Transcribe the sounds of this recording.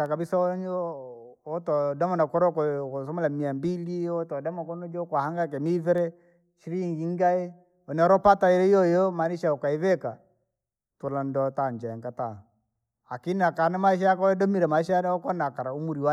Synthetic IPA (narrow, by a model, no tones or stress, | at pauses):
akabisaɔɲɔ | ɔtɔdamɔnakɔɾɔkɔkɔsɔmɔlamiambiliɔtɔdamakɔnɔd͡ʒɔkwahaŋɡak̬ɛmivɛɾɛ | ʃiɾiŋɡiŋɡaɛ | ɔnɛɔɾɔpataɛɾɛijɔjɔmaniʃaɔkaiβɛka | tɔlandɔtand͡ʒaɛŋkata | akiniakanamaiʃ̬ajakɔɛdɔmiɾɛmaiʃajanaɔkɔnakaɾaumuɾiwa